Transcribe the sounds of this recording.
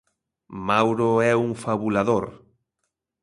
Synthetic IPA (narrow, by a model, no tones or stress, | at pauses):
mawɾoɛuŋfaβulaðoɾ